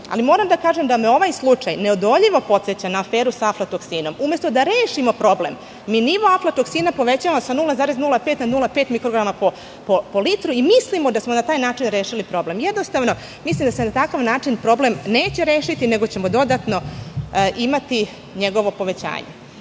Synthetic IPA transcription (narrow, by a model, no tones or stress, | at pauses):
a̰limo̞ːɾamd̪akaːʒemd̪ameo̞ʋaːjslˠut͡ʂajneod̪o̞ʎiʋo̞po̞t̪set͡ɕanaːfe̞ːɾusaaflat̪oksiːno̞mume̞st̪o̞d̪aɾeːʃimo̞pɾo̞blem | miːniʋo̞aflat̪o̞ksinapo̞ʋet͡ɕaʋamosanulˠazaːɾe̞znulapet̪nad̪nulˠapeːt̪mikɾoɡɾamapo | popo̞lit̪ɾuimislimod̪asmonat̪aːjnaːt͡ʃinɾeːʃilipɾo̞ble̞mjed̪nost̪aʋno̞ | mislˠimd̪asenat̪akaʋnaːt͡ʂinpɾo̞blemne̞ːt͡ɕeɾeːʃit̪ine̞ɡo̞t͡ɕemod̪o̞d̪at̪no̞ | ʔimat̪i | ɲeɡo̞ʋo̞po̞ʋe̞t͡ɕa̰ːɲe